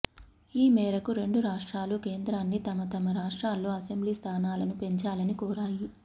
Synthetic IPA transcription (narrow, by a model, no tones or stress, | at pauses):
iːmɛːɾɐkuɾe̞ɳɖuɾaːʂʈɾaːluke̞ːnd̪ɾaːnːit̪ɐmɐt̪ɐmɐɾaːʂʈɾaːlːoːɐse̞mbliːst̪ʰaːnaːlɐnupe̞ɲt͡ʃaːlɐnikɔːɾaːji